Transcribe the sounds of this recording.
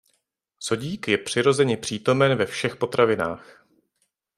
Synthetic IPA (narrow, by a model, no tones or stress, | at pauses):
so̞ɟiːkjɛpr̝̥ɪɾo̞zɛɲɛpr̝̥iːt̪o̞mɛnvɛfʃɛxpo̞t̪ɾavɪna̰ːx